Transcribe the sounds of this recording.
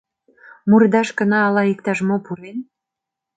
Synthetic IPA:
murd̪ɑʃkənɑːlɑik̚t̪ɑʃmopuɾen

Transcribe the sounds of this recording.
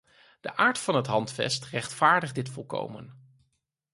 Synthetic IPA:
d̥əʔaːɹtfɑnɦətɦɑntfɛ̰strɛχtfaːɹdəχdɪtfɔlˠko̰wmə̰n

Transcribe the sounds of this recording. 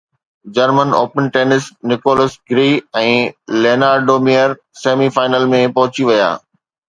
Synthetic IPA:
d͡ʑɐɾməno̰ːpənʈeːnɪsnɪkoːləsɡɾiːɛ̃ːleːnaːɾɖoːmijəɾ | seːmifaːɪnəlmẽpɐɦʊt͡ɕiʋɐja̰ː

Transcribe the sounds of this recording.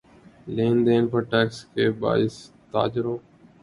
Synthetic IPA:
leːnd̪eːnpəɾʈɛːkskeːba̰ːɪs | t̪a̰ːd͡ʒɪɾoː

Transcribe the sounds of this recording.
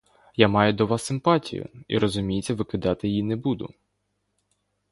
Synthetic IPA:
jamɑjʊd̪ɔʋɑsːɪmpɑtʲḭjʊ̰ḭɾɔzʊmʲijet͡sʲːɐʋɪkɪd̪ɑt̪ɪjjinɛbud̪ʊ̰

